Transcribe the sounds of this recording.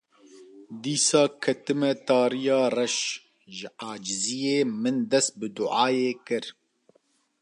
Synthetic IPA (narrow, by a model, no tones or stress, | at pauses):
d̪iːsɑːkʰɛt̪ɨmɛt̪ɑːɾijɑːrɛʃ | ʒɪʔaːd͡ʒɪzijeːmɨnd̪ɛst̪̚bɨd̪ʊʔaːjeːkɨɾ